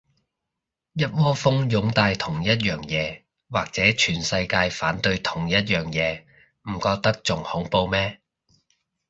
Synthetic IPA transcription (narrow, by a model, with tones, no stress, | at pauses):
jɐ˥t̚wɔː˥fʊ˥ŋjʊ˨˥ŋt̪aː˧jt̪ʰʊ˨˩ŋjɐ˥t̚jœː˨ŋjɛː˨˧ | waː˨k̚t͡sɛː˨˥t͡ʃʰyː˨˩nsɐ˧jkaː˧jfaː˨˥nt̪ɵ˧ɥt̪ʰʊ˨˩ŋjɐ˥t̚jœː˨˩ŋjɛː˨˧ | m̩˨˩kɔː˧k̚t̪ɐ˥k̚t͡sʊ˨ŋhʊ˨˥ŋpo˧wmɛː˥